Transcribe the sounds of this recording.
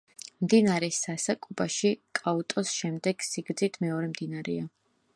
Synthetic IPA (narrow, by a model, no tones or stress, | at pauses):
md̪inaɾɛsasakʼubaʃikʼaut̪ʼɔsʃɛmd̪ɛɡ̥siɡɾd̪zit̪ʰmɛɔɾɛmd̪inaɾɛa